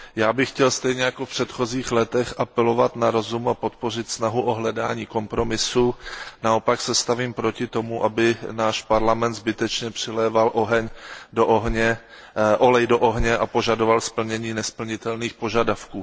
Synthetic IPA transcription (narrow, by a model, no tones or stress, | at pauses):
jaːbɪxcɛlst̪ɛjɲɛjakofpr̝̥ɛt̪xo̞ziːxlɛt̪ɛxʔapɛlo̞vat̪naɾo̞zumapo̞t̪po̞r̝ɪt̪snaɦuʔo̞ɦlɛdaːɲiːko̞mpɾo̞mɪsunao̞paksɛst̪aviːmpɾo̞cɪt̪o̞muʔabɪnaːʃpaɾlamɛnt̪zbɪt̪ɛt͡ʃɲɛpr̥ɪlɛːvalʔoɦɛɲdoʔoɦɲɛ | ʔolɛjdo̞ʔo̞ɦɲɛʔapo̞ʒado̞valspl̩ɲɛɲiːnɛspl̩ɲɪt̪ɛlniːxpo̞ʒadafkuː